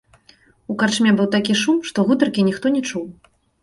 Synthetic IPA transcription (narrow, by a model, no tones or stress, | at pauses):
ukart͡ʂmʲɛbɨwt̪akʲiʂumʂt̪ɔɣut̪ɐrkʲinʲixt̪ɔnʲɛt͡ʂuw